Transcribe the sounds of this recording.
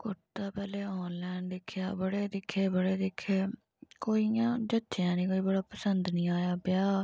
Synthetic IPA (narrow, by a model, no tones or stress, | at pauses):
kʊʈt̪aːpɛːleːɔːnlɛːɳɖd̪ɪkʰːja̰ːbəɽeːd̪ɪkʰːeːbəɽeːd̪ɪkʰːeː | koːiãːd͡ʒətːʃjãːnĩːkoːiːbəɽaːpəsənd̪nĩːaːjaːbɪjaː